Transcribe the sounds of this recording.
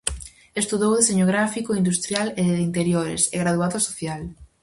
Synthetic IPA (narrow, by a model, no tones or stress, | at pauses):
est̪uðowðeseɲoɣ̞ɾafikoind̪ust̪ɾjaleðint̪eɾjoɾḛseɣɾaðuaðʊasoθjal